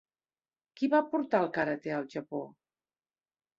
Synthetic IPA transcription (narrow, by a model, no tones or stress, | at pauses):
kiβapuɾt̪alˠkaɾət̪eəlˠʒəpo